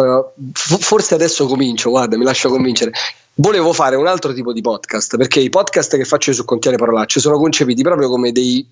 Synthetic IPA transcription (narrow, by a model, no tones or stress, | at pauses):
foforsead̪ɛsːokomint͡ʃoɡward̪amilaʃːokoɱvint͡ʃeɾe | voleːvofaːɾeunalt̪ɾot̪iːpod̪ipɔd̪kast̪perkeipɔd̪kast̪kefːat͡ʃːoijs̬ukːont̪jɛːnepaɾolat͡ʃːosoːnokont͡ʃepiːt̪ipɾɔːpɾjokomed̪ej